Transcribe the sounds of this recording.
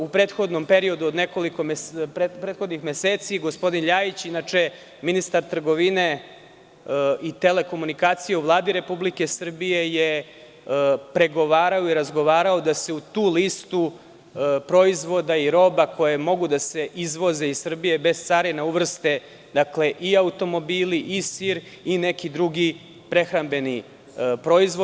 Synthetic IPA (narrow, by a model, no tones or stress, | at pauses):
upɾeːt̪xo̞d̪nompe̞ɾiod̪uod̪ne̞ko̞liko̞mepepɾet̪xo̞d̪nixmeseːt̪siɡo̞spo̞d̪inʎaːjit͡ɕinat͡ʂe̞ | minist̪aɾt̪r̩ɡo̞ʋine̞ | it̪ele̞ko̞munikaːt̪sijeuʋlˠaːd̪iɾe̞publike̞sr̩bije̞je | pɾe̞ɡo̞ʋaːɾaoiɾazɡo̞ʋaːɾao̞d̪ase̞ut̪uːlist̪u | pɾo̞izʋo̞d̪aiɾo̞bako̞jemo̞ɡud̪ase̞ʔizʋo̞ze̞issr̩bije̞be̞z̥t̪saɾinauʋr̩st̪e | d̪akle̞ʔiaut̪o̞mo̞biːliʔisiɾ | ine̞kid̪ɾuɡi | pɾe̞xɾambe̞ni | pɾo̞izʋo